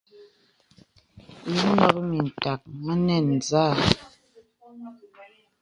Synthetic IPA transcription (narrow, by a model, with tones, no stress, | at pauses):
li˨˦nɔ˦kmi˨n̩˨ta˨k̚ŋa˦nɛ˦˨n˨zaː˦˨